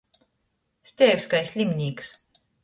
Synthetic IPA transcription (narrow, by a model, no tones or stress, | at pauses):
sʲt̪ʲɛːvʲskajsʲlʲimʲnʲiːks